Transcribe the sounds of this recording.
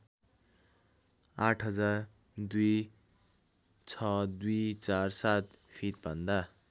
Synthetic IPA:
aʈʰɦʌd͡zar | d̪uj | t͡sʰʌd̪ujt͡sarsat̪̚pʰit̪̚bʱʌnd̪a

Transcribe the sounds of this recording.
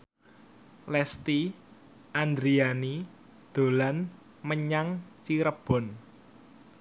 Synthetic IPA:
lɛst̪i | ʔand̪ɾiani | d̪̥o̤lan | məɲaŋt͡ʃiɾəb̥ɔ̤n

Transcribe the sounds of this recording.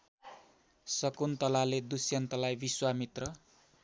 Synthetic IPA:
sʌkunt̪ʌlaled̪usjʌnt̪ʌlajbiswamit̪rʌ

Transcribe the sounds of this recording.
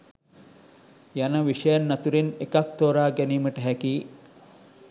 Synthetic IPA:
jɐnɐʋiʂɐjanːɐt̪uɾenekɐk̚t̪oːɾaːɡæniːməʈəɦækiː

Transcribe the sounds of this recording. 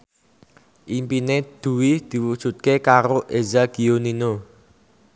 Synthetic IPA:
ʔimpined̪̥ṳwɪhd̪̥i̤wud̥ʒ̥ṳt̪̚kekaɾoʔezaɡ̥i̤onino

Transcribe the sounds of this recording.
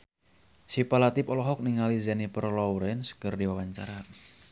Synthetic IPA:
sipalat̪ipɔlɔɦɔk̚niŋalizanipərlɔwɾɛnskərdiwawaɲt͡ʃaɾa

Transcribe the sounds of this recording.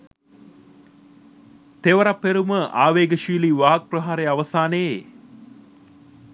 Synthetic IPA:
t̪eʋəɾapːeɾuməʔaːʋeːɡəʃiːliːʋaːk̚prɐɦaːɾejaʋəsaːnəje

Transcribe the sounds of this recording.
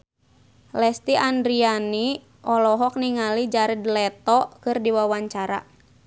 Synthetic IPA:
lɛst̪iʔandɾiani | ʔɔlɔɦɔk̚niŋalid͡ʒaɾidlɛt̪ɔkɨrdiwawaɲt͡ʃaɾa

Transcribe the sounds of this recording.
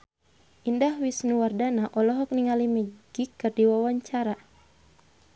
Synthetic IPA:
ʔindahwisnuwardanaʔɔlɔɦɔk̚niŋalimɛɡ̥ikːɨrdiwawaɲt͡ʃaɾa

